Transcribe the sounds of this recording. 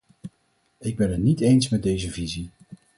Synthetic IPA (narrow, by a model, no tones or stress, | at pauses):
ɪɡ̚bɛnɦətnitejnsmɛd̚dejzəvizi